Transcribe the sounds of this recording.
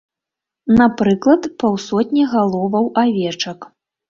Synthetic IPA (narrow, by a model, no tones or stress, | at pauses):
napɾɨklˠɐt̪pawsɔt̪ʲnʲiɣalˠɔvɐwʔavʲɛt͡ʂɐk